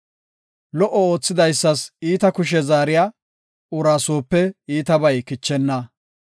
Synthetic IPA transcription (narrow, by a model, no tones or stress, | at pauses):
lɔʔɔo̞ːt͡sːɪd̪ɐjsːɐsiːt̪ɐkʊʃ̬ɛzaːɾɪjaː | ʊɾaːsoːpːɛiːt̪ɐbɐjkɪt͡ʃːɛnːɐ